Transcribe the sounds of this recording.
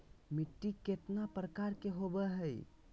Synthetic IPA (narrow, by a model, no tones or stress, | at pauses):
miʈːiket̪napɾəkaɾkeɦobɛɦəj